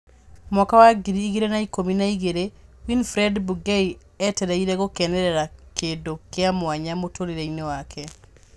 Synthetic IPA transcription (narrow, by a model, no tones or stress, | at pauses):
mɔkawaɡiɾiːɣeɾenaikominaiɣeɾewinfɾɛdbuɡei | ɛtɛɾɛiɾɛɣokɛnɛɾɛɾakedokeamwaɲamotʰoɾeɾeinewakʰɛ